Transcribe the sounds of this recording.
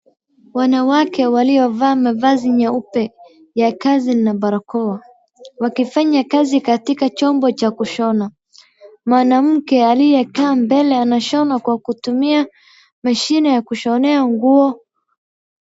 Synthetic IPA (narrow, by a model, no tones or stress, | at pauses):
wanawakɛwaliɔvaːmavaziɲaupɛ | jakazinaɓaɾakɔwa | wakifaɲakazikatikat͡ʃɔmbɔt͡ʃakuʃɔna | maːnam̩kɛalijɛkaːmbɛlɛanaʃɔnakwakutumia | maʃinɛjakuʃɔnɛaŋɡuɔ